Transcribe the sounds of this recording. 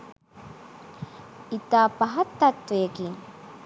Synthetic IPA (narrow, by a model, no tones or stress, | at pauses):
it̪apaɦat̪ːat̪ːueki